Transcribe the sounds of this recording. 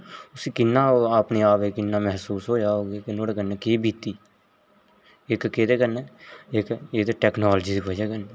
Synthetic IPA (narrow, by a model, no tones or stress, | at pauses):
ʊsiːkɪnːãːapneːaːpeːkɪnːãːmɛɦsuːsɦoːd͡ʒaːɦoːɡeːkɪnoːɽeːkənːeːkeːbiːt̪iː | ɪkkeːt̪eːkənːeːɪkeːt̪eːʈɛːknaːld͡ʒiːd̪iːbəd͡ʒaːkəne